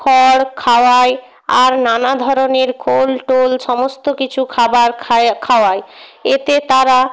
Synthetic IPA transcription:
ɔɽkʰaoaj | aɾnanad̪ʱɔɾoneɾkʰolʈolʃɔmost̪okit͡ɕʰukʰabaɾʰkʰaoajet̪et̪aɾa

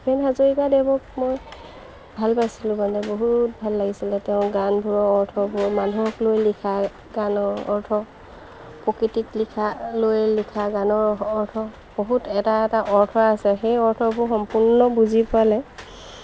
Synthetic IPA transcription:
bɛnɦazoɹikadebɔk̚moj | bʱalpajsilʊ̃bandɛboɦut̚bʱalːaɡisilɛtɛʊ̃ɡanbʱuɹɔɔɹtʰɔbʊɹmanuɔklojlikʰa | ɡanɔɹɔ̰ɹtʰɔ | pɹɔkɹititlikʰalojlikʰaɡanɔɹɔɹtʰɔ | b̥oɦutɛtaɛtaʔɔɹtʰɔasɛxejɔɹtʰɔbʊxɔmpuɹnɔbuzipʊalɛ

